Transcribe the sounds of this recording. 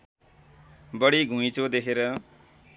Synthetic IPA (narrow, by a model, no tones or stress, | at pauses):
bʌɽiɡʱũit͡sod̪ekʰeɾʌ